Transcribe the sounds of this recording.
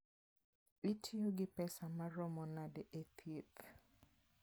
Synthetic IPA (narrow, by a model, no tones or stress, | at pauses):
witʰioɡɪpɛsamaɾɔmɔnadɛʔet̪ʰjet̪